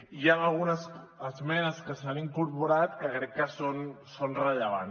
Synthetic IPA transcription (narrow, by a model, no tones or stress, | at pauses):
ianalˠɣunəs | əzmɛnəskəsaniŋkuɾpuɾat̪kəkɾɛkːəsonsonrəʎəβ̞an